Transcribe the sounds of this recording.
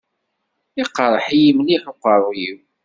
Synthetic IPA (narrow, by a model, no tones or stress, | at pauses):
iqːɾˤəħijimliħoqːəɾˤiw